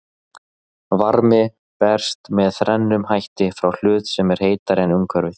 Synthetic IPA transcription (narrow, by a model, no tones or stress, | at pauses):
vaɾmɪ | pɛr̥st̪mɛðθɾɛnːʏmhajht̪ɪfɾawl̥ʏːt̪sɛmɛɾ̥heːjt̪aɾɛnʏŋkʰœɾvɪθ